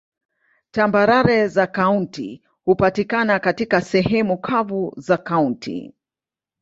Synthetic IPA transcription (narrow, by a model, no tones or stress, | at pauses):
tambaɾaɾɛzakauntḭ | hupatikanakatikasɛhɛmukʰavuzakauntʰḭ